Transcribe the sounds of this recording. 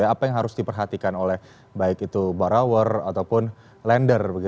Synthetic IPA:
jaːpajaŋɦaɾʊsdipərɦat̪ikanolɛh | baɪkit̪ubaɾawəra̰t̪awpʊn | lɛndərbəɡi

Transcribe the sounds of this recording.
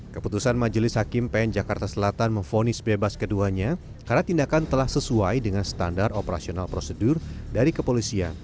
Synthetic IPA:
kəput̪usanmad͡ʒəlɪshakɪmpɛnd͡ʒakart̪asəlat̪anməɱfonɪsbebaskəduaɲa | karnat̪indakant̪əlahsəsuajdəŋansə̥t̪andaropəɾa̰sionalpɾosədʊrdaɾikəpolisia̰n

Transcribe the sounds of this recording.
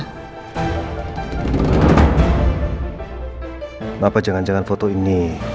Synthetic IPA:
napadd͡ʒəŋand͡ʒəŋanfot̪oini

